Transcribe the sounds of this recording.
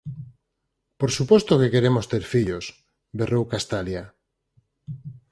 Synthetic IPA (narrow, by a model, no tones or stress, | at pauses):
poɾsupɔst̪okekeɾemost̪eɾfiʎos | berowkast̪alja